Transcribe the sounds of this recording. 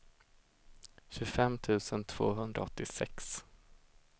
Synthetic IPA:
ɕɵfɛmːt̪ʰʉ̟ːsənt̪ʰv̥o̰ːɦɵnd̪ɾa̰ɔt̪ːɪsɛ̰ks

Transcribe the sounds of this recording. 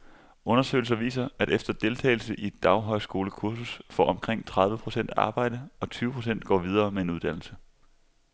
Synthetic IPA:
ɔ̽nɐsø̰ɪl̩s̬ɐʋḭːsɐæɾefd̥ɐd̥e̝lt͡sʰɛ̰ɪl̩səʔid̥ɑ̈ʊɦɒ̽ɪsɡ̥o̝ːləkʰuɐsusfɒ̰ːɒ̽mkʰʁeŋ̰t͡sʰʁɑð̞ˠʋəpʰʁo̝sen̰d̥ɑ̈ːb̥ɑ̈ɪ̰ɾ̥əɒ̽t͡sʰyːʊəpʰʁo̝s̬en̰d̥̚ɡ̥ɒ̰ːʋið̞ˠɐːmee̝nuðˠd̥æn̰l̩sə

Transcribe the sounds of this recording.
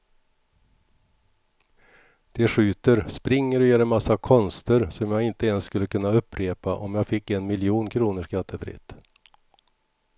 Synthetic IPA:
d̪̥ɛɧʉ̟ːt̪əɾspɾɪŋːəɾɔjøːɾɛnmasːakʰɔnst̪əɾsɔmjaːɡɪnt̪əɛnsskɵlːəkɵnːaɵpʰːɾeːpa̰ʔɔmjaːɡfɪkːɛnmɪljuːnkʰɾuːnəʂkat̪ːəfɾɪ̰t̪ː

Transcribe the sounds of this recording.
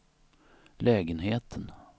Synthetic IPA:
lɛːɡənɦeːt̪ʰən

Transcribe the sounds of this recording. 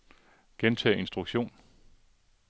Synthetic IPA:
ɡ̥ent͡sʰɛ̰ːe̝nsd̥ʁuɡ̥ɕo̝̰ːn

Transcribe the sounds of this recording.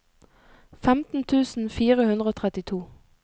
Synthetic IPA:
fɛmt̪n̩t̪ʰʉːsn̩fiːʁəhʉnd̪ʁəoːt̪ʰʁɛt̪ɪt̪ʰuː

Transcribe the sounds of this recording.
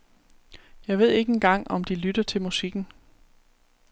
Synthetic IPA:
jɑ̈ɪʋe̝ð̞̰ˠe̝ɡ̥əe̝nɡ̥ɑ̈ŋ̰ɒ̽md̥ilyd̥ɐt͡sʰe̝lmusiɡ̥n̩

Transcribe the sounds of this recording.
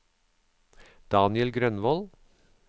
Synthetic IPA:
d̪̥ɑːnɪəlɡɾœnʋɔl

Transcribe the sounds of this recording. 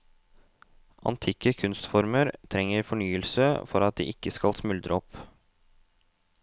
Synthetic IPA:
ʔɑ̰nt̪ʰɪkəkʰʉnst̪fɔɾməɾt̪ʰɾɛŋːəɾfɔɳyːəlsəfɔɾɑt̪̚d̪ḭːʔɪkəskɑlsmʉld̪ɾʔə̰ɔp

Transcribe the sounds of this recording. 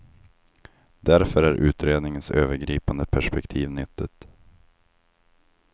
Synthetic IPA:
d̪æɾfœɾæɾʔʉ̟̰ːt̪ɾeːd̪nɪŋənsøːvəɾɡɾiːpand̪əpʰæʂpɛkt̪ʰiːvnʏt̪ːət̪

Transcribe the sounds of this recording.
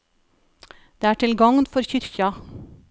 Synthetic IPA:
d̪̥eːæːʈʰɪlɡɑŋnfɔɾçʏɾçɑ

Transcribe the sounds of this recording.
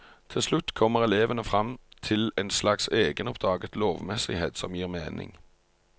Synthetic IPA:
t̪ʰɪlslʉt̪ːkʰɔmːəʁɛleːʋənəfʁɑmt̪ʰɪlɛnslɑkseːɡənɔpd̪ʁɑːɡət̪loːʋmɛsɪheːt̪sɔmjiːʁmeːnɪ̰ŋ

